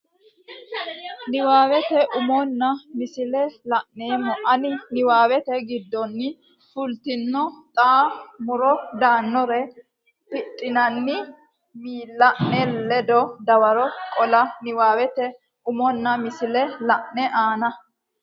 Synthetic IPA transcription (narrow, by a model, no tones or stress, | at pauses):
nɪwaːwɛt̪ɛʔʊmɔnːɐmɪsɪlɛlɐʔneːmːɔʔɐnɪnɪwaːwɛt̪ɛɡɪd̪ːɔnːɪ | fʊlt̪ɪnːɔt̪ʼaːmʊɾɔd̪aːnːɔɾɛ | pɪtʼːɪnɐnːɪ | miːlːɐʔnɛlɛd̪ɔd̪ɐwɐɾɔkʼɔlɐnɪwaːwɛt̪ɛ | ʔʊmɔnːɐmɪsɪlɛlɐʔnɛʔaːnɐ